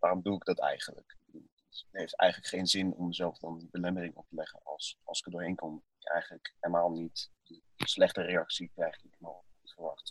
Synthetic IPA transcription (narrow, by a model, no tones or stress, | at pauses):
ʋaːrɔmduɪɡ̚dɑtɛ̰jχənlə̰kd | əttɦejftɛ̰jχənləkχejnzɪnɔ̰məzɛlˠfdɑndəbəlɛmərɪŋɔ̰p̚təlɛχə̰nɑlˠsɑlˠsɪ̥kədʊːɹɦejnkɔmɪkɛ̰jχənləkelˠmaːlˠnitdə | slɛχtəreɑksikrɛjχɪknɔχətfərʋɑ̰χt